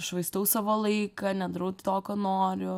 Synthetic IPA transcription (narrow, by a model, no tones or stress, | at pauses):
ʃʋɐɪst̪ɐʊsɑːʋoːlˠɐɪkɐnʲɛd̪ɾɐʊt̪t̪oːkoːnoːɾʲʊ